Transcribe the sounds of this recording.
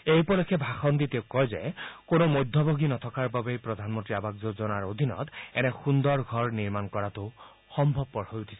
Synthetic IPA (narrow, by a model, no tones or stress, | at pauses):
ejpɔlɔkʰːɛbʱaxɔnd̪iteʊkːɔjzɛ̰konomojd̪ʱːɔboɡinɔtʰɔkaɹbabejpɹɔd̪ʱanmɔntɹiabakzozɔnaɹod̪ʱinɔ̰t̪ɛ̰nɛxundɔɹɡʱɔɹniɹmankɔɹatʊ | xɔmbʱɔb̚pɔɹhojutʰi̥sɛ